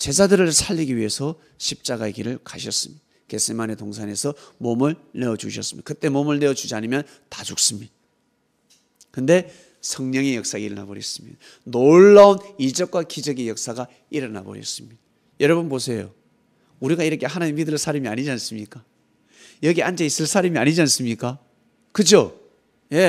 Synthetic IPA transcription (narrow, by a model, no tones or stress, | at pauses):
t͡ɕe̞d͡ʑadɯɾɯɭsʰaʎːiɡiɥiɦe̞sʰʌ | ɕʰip̚t͡ɕ͈aɡaeɡiɾɯɭkaɕʰʌs͈ɯmɲidaake̞s͈ʰɯimanetoŋsʰane̞sʰʌmomɯɭne̞ʌd͡ʑuɕʰʌs͈ɯmɲḭd̥a̰kɯt͈e̞momɯɭne̞ʌd͡ʑud͡ʑiaɲimjʌntad͡ʑuk̚s͈ɯmɲid̪a | kɯnde̞ | sʰʌŋɲʌŋejʌk̚s͈aɡaiɾʌnabʌɾjʌs͈ɯmɲid̥̪a | noɭːaunid͡ʑʌk̚k͈wakid͡ʑʌɡejʌk̚s͈aɡa | iɾʌna̰bo̰ɾjʌ̰s͈ɯmɲid̥a | jʌɾʌbɯnposʰe̞jo̰ | uɾiɡaiɾʌkʰe̞hanaɲimidɯɾsʰaɾimia̰ɲid͡ʑians͈ɯmɲik͈a | jʌɡiand͡ʑeis͈ɯɭs͈ʰaɾimiaɲid͡ʑians͈ɯmɲik͈a | kɯd͡ʑjo | je̞